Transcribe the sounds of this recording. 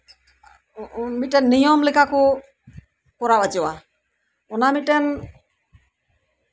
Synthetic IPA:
miʈɛnːijɔmlikʰako | kɔɾawad͡ʒɔwa | ʊnamiʈɛn

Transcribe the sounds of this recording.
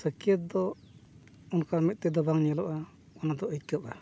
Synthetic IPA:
səkijət̪̚d̪ɔ | unkaɾmit̪̚ˀt̪ɛd̪ɔbaŋɲɛlɔʔa | ɔnad̪ɔʔət̪̚kəpa

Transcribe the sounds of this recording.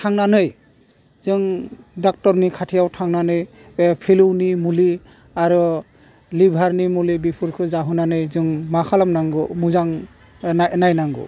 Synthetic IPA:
tʰaŋnanɯj | zɯŋdɔk̚tɔɾnikʰatʰijawtʰaŋnanɯj | pʰiluwnimuli | aɾɯ | libʱaɾnimulibipʰɯɾkʰɯzaɦɯnanɯjzɯŋmakʰalamnaŋɡɯmuzaŋ | anajnaŋɡɯ̰

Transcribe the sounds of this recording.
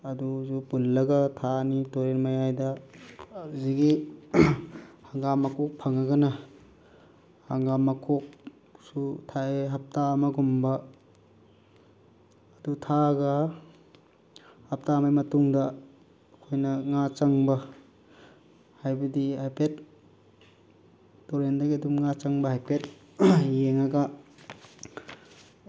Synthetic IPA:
ɐduzupulːɐɡɐtʰanitoɾenmajajdɐ | ziɡi | haŋɡamɐkʰok̚pʰaŋaɡɐnɐ | haŋɡamɐkʰok̚ | sutʰaeɦap̚tamɐɡumbɐ | dutʰaɡa | hap̚tamajmɐtuŋdɐ | kʰojnɐŋat͡ʃaŋba | hajbadihajpet | oɾendaɡiɐdumŋat͡ʃaŋbahajpet̚ | jeŋaɡa

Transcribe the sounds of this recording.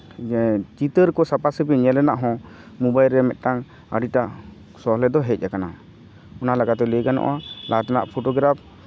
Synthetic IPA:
t͡ʃit̪əɾkɔsapasəpiɲɛlɛnaʔɦɔ̃ | mubajlɾɛmɛt̪̚ˀʈaŋ | ə̰ɖiʈaʔ | sɔɦlɛd̪ɔɦɛc̚ˀakana | ɔnalaɡad̪ɛliɡanɔ̰ʔalʔat̪ana̰ʔpʰoʈɔɡɾap̚ʰ

